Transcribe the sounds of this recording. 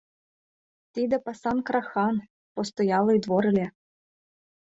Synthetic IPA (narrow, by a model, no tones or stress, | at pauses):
t̪ʲid̪ɐpɑsɑnkɾɑxɑn | pɔst̪ɔjɑlˠɨjd̪ʋɔɾɨ̆lʲe